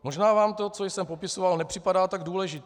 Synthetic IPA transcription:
mo̞ʒnaːvaːmt̪o̞t͡so̞jsɛmpo̞pɪsovalnɛpr̥ɪpadaːt̪aɡduːlɛʒɪt̪

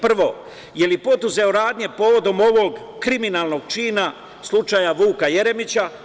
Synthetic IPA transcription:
pr̩ʋo̞ | je̞lipo̞d̪uze̞o̞ɾaːd̪ɲe̞po̞ːʋo̞d̪o̞mo̞ʋo̞ɡ | kɾiminalˠno̞ɡ̚t͡ʃiːna | slˠut͡ʃajaʋuːkaje̞ɾe̞mit͡ɕa

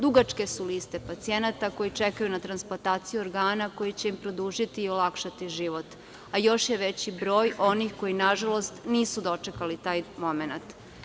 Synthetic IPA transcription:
d̪uɡat͡ʃke̞suliːst̪e̞pat̪sie̞nat̪ako̞jit͡ʃe̞kajunat̪ɾansplot̪aːt̪sijuoɾɡaːnako̞jit͡ɕeimpɾo̞d̪uːʒit̪iːolˠakʃat̪iʒiʋo̞t̪ | ajo̞ʃjeʋe̞t͡ɕibɾo̞ːjʔo̞nixko̞jinaʒalo̞st̪niːsud̪o̞t͡ʃe̞kalit̪aːjmo̞me̞nat̪

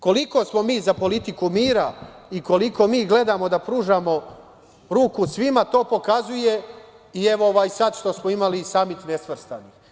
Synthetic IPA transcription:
ko̞liko̞smo̞miːzapo̞lit̪ikumiːɾaiko̞liko̞miːɡle̞d̪aːmo̞d̪apɾuːʒamo̞ | ɾuːkusʋimat̪o̞ːpo̞kazuje̞ | ie̞ʋooʋaːjsad̪ʃt̪o̞smoimalisamit̪nesʋr̩st̪a̰ni

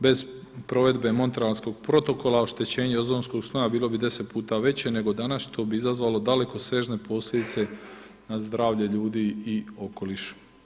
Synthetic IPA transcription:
be̞z | pɾo̞ʋe̞d̪be̞mo̞nt̪ɾealsko̞ɡ̥pɾo̞t̪o̞ko̞laoʃt̪e̞t͡ɕe̞ːɲeozoːnsko̞ɡsnojabiːlo̞bid̪e̞se̞t̪̚puːt̪aʋe̞t͡ɕe̞ne̞ɡo̞d̪anasʃt̪o̞biizazʋaːlo̞d̪ale̞ko̞sʋe̞ːʒne̞po̞slʲjʲe̞d̪it̪se̞ | nazd̪ɾaːʋʎe̞ʎuːd̪iio̞ko̞liʃ

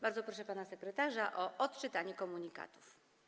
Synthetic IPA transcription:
baɾd̪zɔpɾɔʂɛpanasɛkɾɛt̪aʐaʔɔʔɔt̪t͡ʂɘt̪aɲɛkɔmuɲika̰t̪u̥f

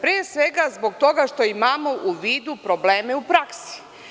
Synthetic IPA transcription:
pɾiesʋeɡazboɡ̚t̪o̞ɡaʃt̪o̞imaːmo̞ʔuʋiːd̪upɾobleːmeupɾaksi̥

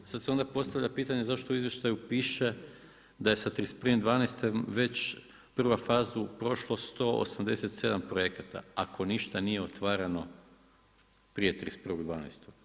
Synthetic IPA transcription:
sad̪seo̞nd̪apo̞st̪aʋʎapiːt̪aɲe̞zaʃt̪ouizʋje̞ʃt̪ajupiːʃe̞ | d̪ajesat̪ɾisprʋimd̪ʋaːnejst̪emʋe̞t͡ɕ | pr̩ʋafaːzupɾo̞ʃlˠo̞st̪o̞o̰samd̪e̞set̪se̞d̪ampɾojekat̪a̰akʰo̞niʃt̪anijeo̞t̪ʋaːɾano̞ | pɾije̞t̪ɾispr̩ʋo̞ɡd̪ʋaːnḛjst̪oɡ̥

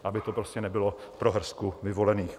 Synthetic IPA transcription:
ʔabɪt̪opɾoscɛnɛbɪlopɾoɦr̩skuvɪvo̞lɛniːx

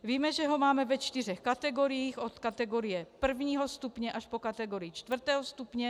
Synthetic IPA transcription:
viːmɛʒɛɦomaːmɛvɛt͡ʃt̪irɛxkat̪ɛɡoɾijiːxot̪kat̪ɛɡoɾijɛpr̩vɲiːɦost̪upɲɛʔaʃpokat̪ɛɡoɾijit͡ʃt̪vr̩t̪ɛːɦost̪upɲɛ

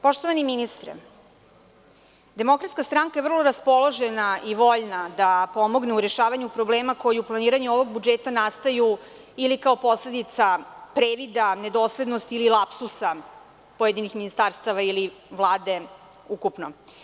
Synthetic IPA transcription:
po̞ʃt̪oʋaniminist̪ɾɛ̰ | d̪e̞mo̞kɾat̪skast̪ɾaŋkaevr̩lˠo̞ɾaspo̞lˠoʒenaʔiʋo̞ʎnad̪apo̞mo̞ɡneuɾeʃaːʋaɲupɾo̞bleːmako̞jiuplˠaniːɾaɲuo̞ʋoɡbud͡ʒeːt̪anast̪aju | ilikao̞po̞sle̞d̪it̪sapɾeʋid̪ane̞d̪oːsle̞d̪nost̪ililˠapsusa | pojed̪inixminist̪aːɾst̪aʋailiʋlˠaːd̪e̞ | ukupno̰

